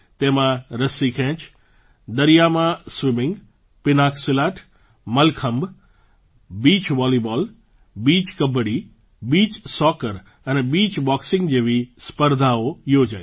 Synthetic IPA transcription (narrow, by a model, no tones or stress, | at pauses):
t̪ẽːmãɾɐsikʰɛ̃ːt͡ɕ | d̪ɐɾijamãsʋɪmɪ̃ŋɡ | pɪnaːkʰsɪlaːʈʰ | mɐlkʰə̃mb | biːt͡ɕʋɔːlibɔːl | biːt͡ɕkɐbəɽi | biːt͡ɕsɔːkəɾ | ənɛbiːt͡ɕbɔːksɪ̃ŋɡd͡ʑeːʋispəɾd̪ʱaoiɦod͡ʑaː